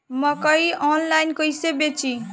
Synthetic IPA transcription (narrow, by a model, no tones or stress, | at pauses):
mʌkʌiɔnlajnkojsebet͡sʰi